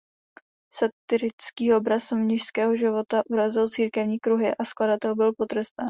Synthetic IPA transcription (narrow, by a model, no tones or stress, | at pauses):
sat̪ɪɾɪt͡skiːo̞bɾasmɲɪʃskɛːɦo̞ʒɪvo̞t̪aʔuɾazɪlt͡siːɾkɛvɲiːkɾuɦɪʔaskladat̪ɛlbɪlpo̞t̪rɾɛst̪aːn